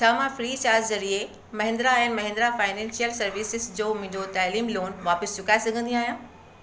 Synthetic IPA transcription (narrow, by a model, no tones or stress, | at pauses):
t͡ɕʰaːmãfɾiːt͡ɕaːɾd͡ʑzɐɾie | mɐɦɪ̃ːnd̪ɾaɛ̃nmɐɦnd̪ɾafaːɪnɛ̃ːnsijəlsɐɾʋiːsɪzd͡ʑoːmʊ̃ʊ̃ɪ̃d͡ʑot̪aːliːmloːnʋaːpəsd͡ʑʊkaːesɐɡʱə̃nd̪ĩaːɦijãː